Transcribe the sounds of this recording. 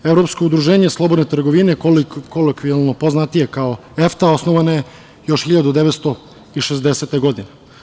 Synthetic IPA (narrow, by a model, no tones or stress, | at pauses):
evɾo̞psko̞ud̪ɾuʒe̞ːɲeslˠo̞bo̞d̪net̪ɾr̩ɡoʋinekolokʋialˠnopo̞znat̪ije̞kao̞ | e̞ft̪ao̞snoʋanaje | jo̞ʃxiʎad̪ud̪eʋet̪st̪o | iʃezd̪e̞set̪e̞ɡo̞d̪ine